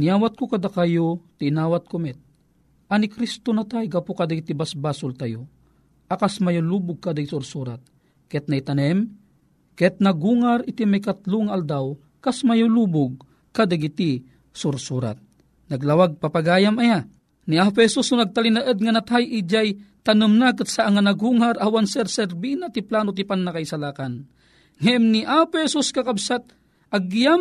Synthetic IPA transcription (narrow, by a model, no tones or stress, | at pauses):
nijaːwat̪̚kokad̪akajot̪iːnaːwat̪̚komɛt̪̚ | ʔanikɾist̪onat̪ajɡapokad̪aɡit̪ibasbasʊlt̪ajo | ʔakasmajolubʊɡ̚kad̪aɡisuɾsuɾat̪̚ | kɛt̪̚nait̪anɛm | kɛt̪̚naɡuŋaɾit̪imajkat̪luŋaʔald̪aw | kasmajolubʊɡ̚ | kad̪aɡit̪i | suɾsuɾa̰t̪̚ | naɡlawaɡ̚papaɡaːjamaja | niap̬ʊhɛsusʊnaɡ̚t̪alinaʔəd̪̚ŋanat̪ajʔid͡ʒajt̪anɨmnak̬ɨt̪saʔaŋanaɡuːŋaɾʔawansɛɾsɛɾbinat̪iplaːnot̪ipanːakaisalaːkan | ŋɛmniʔapohɛsuskakabsat̪̚ | ʔaɡːijam